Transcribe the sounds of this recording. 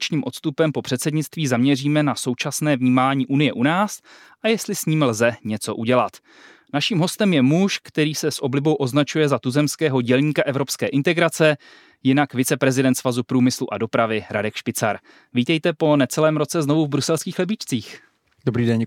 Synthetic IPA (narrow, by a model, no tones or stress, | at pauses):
t͡ʃɲiːmʔo̞t̪st̪upɛmpo̞pr̝̥ɛt̪sɛdɲɪt͡st̪viːzamɲɛriːmɛnaso̞wt͡ʃasnɛːvɲiːmaːɲiːʔunɪjɛʔunaːs | ʔajɛst̪lɪsɲiːmlzɛɲɛt͡so̞ʔuɟɛlat̪ | naʃiːmɦo̞st̪ɛmjɛmuʃkt̪ɛɾiːsɛsʔo̞blɪbo̞wʔo̞znat͡ʃujɛzat̪uzɛmskɛːɦo̞ɟɛlɲiːkaʔɛvɾo̞pskɛːʔɪnt̪ɛɡɾat͡sɛ | jɪnakvɪt͡sɛpɾɛzɪdɛnt̪svazupɾuːmɪsluʔado̞pɾavɪɾa̰dɛkʃpɪt͡sa̰ɾ | viːt̪ɛjt̪ɛpo̞nɛt͡sɛlɛːmɾo̞t͡sɛzno̞vuvbɾusɛlskiːxlɛbɪt͡ʃt͡siːx | dobɾiːdɛɲ